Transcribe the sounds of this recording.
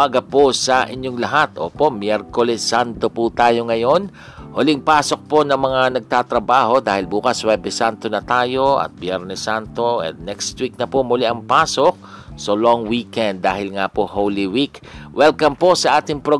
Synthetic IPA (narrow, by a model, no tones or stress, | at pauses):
aɡɐposɐʔɪɲjoŋlɐɦat̪ʔo̰ːpo̞ʔmjɛɾkolɛsːant̪oput̪aːjo̞ŋɐjo̞n | holɪŋpaːso̞k̚po̞nɐŋmɐŋanɐɡ̚t̪at̪ɾɐbaːho̞d̪aːhɪlbuːkɐswɛːbɛsant̪onɐt̪aːjo̞ɐ̰t̪̚bjɛɾnɛsant̪oʔɛ̰d̪nɛkst̪wik̚nɐpomʊlɪʔɐŋpaːsok̚ | sɐloŋwiːkɛnd̪ːaːhɪlŋapohowlɪwik | wɛlkɐmpo̞sɐʔaːt̪ɪŋpɾo